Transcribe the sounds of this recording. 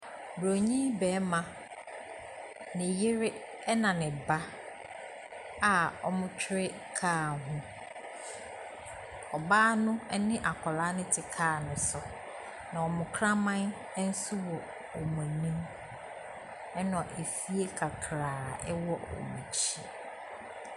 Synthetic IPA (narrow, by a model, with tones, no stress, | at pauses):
bɾo˨ɲĩ˦bɛː˨˦mã˨ | nɪ̃˨jɪ˦ɾɪ˦ | ɛ˦nã˨nɪ̃˨ba˦ | a˨ɔ̰˨mʊ̃˦t͡ɕʰᶣɪ˦ɾɪ˦ | kʰaː˦˨ɦʊ̃˦ | ɔ˨baː˦nʊ̃˦ɛ˦nɪ̃˦ʔa˨kʰɔ˨laː˦nɪ̃˦tʰɪ˨kʰaː˦˨nʊ̃˨sʊ˨ | nã˨ɔ˨mʊ̃˨kʰɾã˦mã˦n˦ | n̩˦su˦wɔ˨ | ɔ˨mʊ̃˨nĩ˦m | ɛ˦nɔ̃˨ʔe˨fi˦e˦kʰa˨kʰɾaː˨ɛ˦wɔ˦ɔ̰˨mṵ̃˨t͡ɕʰi˦